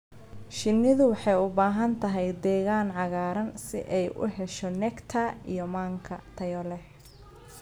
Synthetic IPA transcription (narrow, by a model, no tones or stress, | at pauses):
ʃɪnːɪðʊwɑħɑjʊbaːɦɐnt̪ʰɐɦɛjd̪ɛːɣaːnʕɑɣaːɾɐnsɪ̰ʔɛjʔʊ̰ɦɛʃɔnɛkt̪ʰɐijɔmaːŋkʰɐ̰t̪ʰɐjɔlɛ